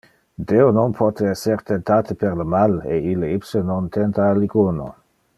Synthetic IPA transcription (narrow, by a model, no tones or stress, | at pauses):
d̪eononpʰot̪eeseɾt̪ent̪aːt̪əpeɾləmaleileipsənont̪ent̪aːliɡuno̰